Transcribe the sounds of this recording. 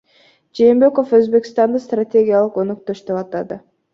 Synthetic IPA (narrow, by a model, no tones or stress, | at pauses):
d͡ʒeːmbe̞ko̞føzbe̞kʲi̥st̪ɑnd̪ɯst̪ratʲe̞ɡʲijalˠɯqo̞nyk̚t̪oʃd̪eβɑt̪ɑd̪ɯ